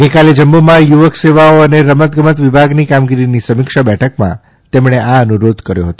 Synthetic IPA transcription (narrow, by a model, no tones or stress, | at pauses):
ɡəjkaled͡ʒəmːumãjuʋəkseʋaoəneɾəmət̪̚ɡəmət̪ʋɪbʱaɡnikamɡiɾinisəmɪkʃabɛʈʰəkmã̰ | t̪emɽ̃eaənuɾod̪ʱkəɾjo̰ɦət̪o